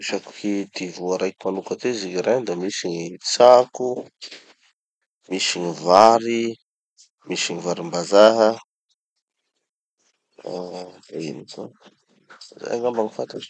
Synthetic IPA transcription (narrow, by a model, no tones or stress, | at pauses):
iʃaku̥kid̪ivuaɾajki̥manukat̪ezikiɾad̪amisiɲit͡saku | misiɲivaɾi | misiɲivaɾimbazaɦə | d̪ainiko̰ | za̰jaŋambaŋifant̪ḁ